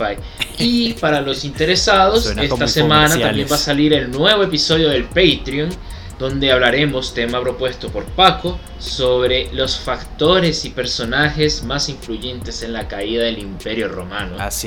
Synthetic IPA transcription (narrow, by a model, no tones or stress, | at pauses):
aj | ipaɾalo̞sint̪e̞ɾe̞saðo̞sest̪asemãnatabje̞mbasaliɾe̞lnwe̞βo̞episo̞ðjo̞ðe̞lpejt̪ɾijon | d̪̥o̞nd̪e̞aβlaɾe̞mo̞st̪e̞mapɾo̞pwe̞st̪o̞po̞ɾpako | soβɾe̞lo̞sfakt̪o̞ɾe̞sipe̞ɾso̞naxe̞zmasiɱfluʝe̞nt̪e̞se̞nlakaiðaðe̞limpe̞ɾjo̞ro̞̰mano̰